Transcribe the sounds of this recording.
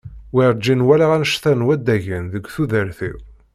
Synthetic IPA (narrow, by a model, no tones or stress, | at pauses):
wiɾd͡ʒinwælaʁænʃθænwæd̪æʝənðəɡʷθuðəɾθḭ